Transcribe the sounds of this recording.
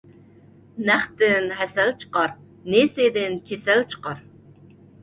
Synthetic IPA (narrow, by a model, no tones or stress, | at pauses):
næχt̪ɪnɦɛsɛlt͡ʃʰə̥qɑɾ | nesed̪ɪnkʲʰesælt͡ʃʰə̥qɑɾ